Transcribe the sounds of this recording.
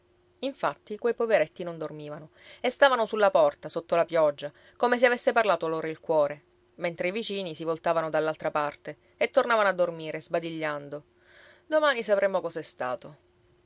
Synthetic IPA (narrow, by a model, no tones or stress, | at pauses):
iɱfat̪ːikwejpoveɾet̪ːinond̪ormiːvano | est̪aːvanosulːapɔrt̪asot̪ːolapjɔd͡ʒːa | komes̬eavesːeparlaːt̪oaloːɾailkwɔːɾe | ment̪ɾeivit͡ʃiːnisivolt̪aːvanod̪alːalt̪ɾapart̪e | et̪ːornavanoad̪ːormiːɾezbad̪iʎːand̪o | d̪omaːnisapɾemːokɔsɛst̪a̰ːt̪o